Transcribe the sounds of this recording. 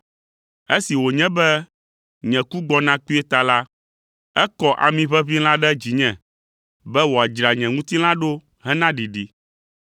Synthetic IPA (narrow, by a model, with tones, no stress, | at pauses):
e˦si˨wo˨ɲɛ̃˦bɛ˦ | ɲɛ̃˨ku˦ɡ͡bɔ˦nã˦k͡pi˦ɛ˦t̪a˨la˦ | ɛ˦kɔ˦ʔa̰˨mĩ˨βɛ˦βi˦l̃ã˦ɖɛ˦d͡ʑi˨ɲɛ̃˨ | bɛ˦wo˨a˨d͡ʒɾa˨ɲɛ̃˨ŋũ˦t̪i˦l̃ã˦ɖo˦ | ɦɛ˦nã˦ɖi˨ɖi˨